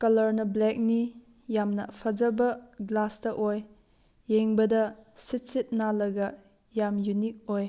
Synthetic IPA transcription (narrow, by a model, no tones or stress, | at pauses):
kɐlɐɾnɐblɛk̚ni | jamnɐ̰pʰɐd͡ʒɐbɐɡlasdɐʔojː | eŋbɐdɐsit̚sit̚nalɐɡɐ | jamjunik̚oj